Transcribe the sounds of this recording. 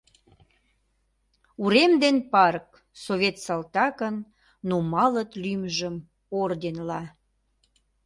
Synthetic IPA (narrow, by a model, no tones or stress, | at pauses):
uɾemd̪enpɑrk̚ | soβʲet̪sɑlt̪ɑkənː | omɑlət̪lymʒəm | ord̪enlɑ